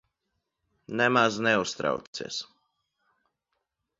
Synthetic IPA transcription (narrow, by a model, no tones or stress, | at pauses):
nɛmaznɛust̪ɾa̰w̪ḭɛs